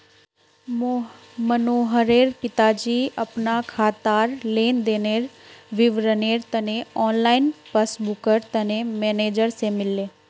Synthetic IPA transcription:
mənoːɦəɾeːɾpɪt̪ad͡ʒiːɐpnakʰaːt̪aːɾleːnd̪eːneːɾʋɪʋɾəneːɾt̪əneɔːnlaːɪnpəsbʊkəɾt̪ɐnemeːneːd͡ʒəɾsemɪlːeː

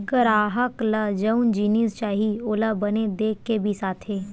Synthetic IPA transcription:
kəɾaːɦəkləd͡ʒəʊnd͡ʒiːnist͡ʃaːɦioːlabəned̪eːkːebʱisaːt̪ʰɦeː

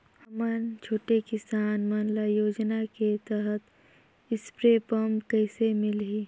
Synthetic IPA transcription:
hɐmənt͡ʃʰoːʈekɪsaːnmanlajoːd͡ʒnaket̪əɦət̪ | ɪspɾepəmkəɪsemɪlɦiː

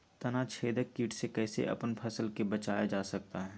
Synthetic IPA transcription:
t̪ɐnat͡ʃʰeːd̪əkːiːʈsekɛːsḛʔɐ̰pənpʰɐsəlkebɐt͡ʃaːjad͡ʒaːsɐk̚t̪aɦɛː

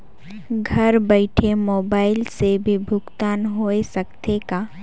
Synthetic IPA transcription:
ɡʱɐɾbəɪʈʰemoːbaːɪlsebʱibʱʊɡt̪aːnɦoːesəkt̪ekaː

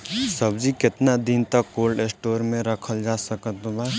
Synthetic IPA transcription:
səbd͡ʒikɪt̪nad̪int̪əkːoːlɖesʈoːɾmẽɾəkʰəld͡ʒaːsəkət̪baː

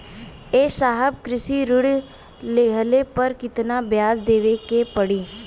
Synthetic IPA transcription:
eːʃaːɦəb̚kɾɪsiɾʊɽ | leːɦəlepəɾkɪt̪nabjaːzd̪eːʋekepəɽiː

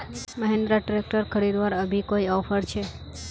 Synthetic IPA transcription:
məɦẽnd̪ɾaʈɾek̚ʈəɾkʰəɾid̪ʋaɾəbʱikoiɔfʰəɾt͡ʃʰe

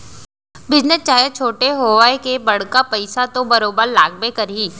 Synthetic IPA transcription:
bɪd͡ʒnəst͡ʃaːjət͡ʃʰoːʈeɦoːʋaːekebɐɽ̤kapɐɪsat̪õbɐɾoːbəɾlaːɡ̚bekɐɾiː

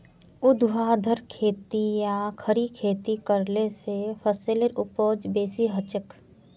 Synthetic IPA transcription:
ʊd̪ʱʋaːd̪ʱəɾkʰeːt̪ijakʰəɾikʰeːt̪ikəɾlesefʰəsɪleɾʊpoːd͡ʒbeːsiɦət͡ʃək

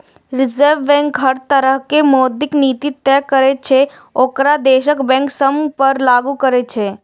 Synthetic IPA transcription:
ɾɪzəɾʋːɛ̃ːŋkɦəɾt̪əɾəɦkemoːd̪ɪkniːt̪it̪ːɛkəɾet͡ʃʰe | oːkɾad̪eːʃəkbɛ̃ːŋksəmpəɾlaːɡukəɾet͡ʃʰeː

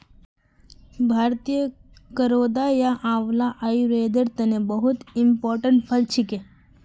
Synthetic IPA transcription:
bʱaːɾt̪ijəkəɾoːd̪ajaʔaʋlaʔajɾeːd̪əɾt̪ɐnebəɦut̪impɔːɾʈəɳʈpʰəlt͡ʃʰike

